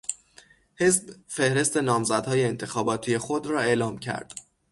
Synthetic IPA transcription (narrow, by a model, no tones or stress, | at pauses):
he̞zbfe̞hɾe̞st̪e̞nɒːmzæd̪hɒːjeːnt̪ʰe̞xɒːbɒːt̪ʰijexo̞d̪ɾɒːe̞ʔlɒːmcʰæ̰ɾd̪̥